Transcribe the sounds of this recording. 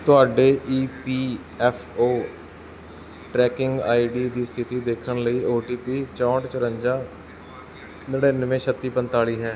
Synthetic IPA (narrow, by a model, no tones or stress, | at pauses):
t̪ʊaːɖeːʔiːpiː | ɛːfʰoː | ʈɾɛːkɪŋɡaːiːɖiːd̪iːst̪ʰɪt̪iːd̪eːkʰəɳləiːoːʈiːpiːt͡ʃɔ̃ːʈt͡ʃəɾəɲd͡ʒaː | nəɽeːnʋẽːʃʰət̪ːiːpənt̪aːliːɦɛ̃ː